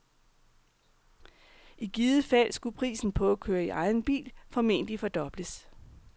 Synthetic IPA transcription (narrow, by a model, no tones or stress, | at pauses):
ʔiɡ̥iːðˠəfæl̰sɡ̥upʰʁḭːsn̩pʰɒ̽ækʰøːɐiʔɑ̈ɪn̩b̥ḭːlfɒ̽me̝̰ːnd̥ifɒ̽d̥ɒ̽b̥ləs